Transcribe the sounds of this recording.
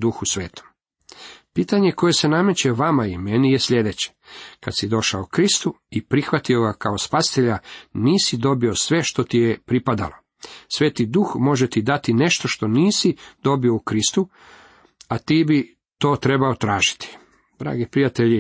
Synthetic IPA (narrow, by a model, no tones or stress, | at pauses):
d̪uxusʋe̞ːt̪o̥m | piːt̪aɲeko̞je̞se̞name̞t͡ɕe̞ʋamaime̞nijesʎe̞d̪et͡ɕe̥kad̪sid̪o̞ʃaokɾist̪uipɾixʋat̪io̞ɡakao̞spasi̥t̪eʎaniːsid̪o̞bio̞sʋe̞ʃt̪o̞t̪ijepɾipad̪a̰lo̞ | sʋe̞ːt̪id̪uxmo̞ʒet̪id̪at̪ine̞ʃt̪o̞ʃt̪o̞niːsid̪o̞bioukɾist̪u | at̪iːbi | t̪o̞ːt̪ɾe̞bao̞t̪ɾaːʒi̥t̪i̥ | d̪̥ɾa̰ːɡipɾijat̪e̞ʎi